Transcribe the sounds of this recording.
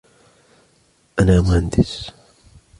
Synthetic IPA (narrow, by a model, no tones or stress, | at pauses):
ʔanaːmʊhand̪ɪs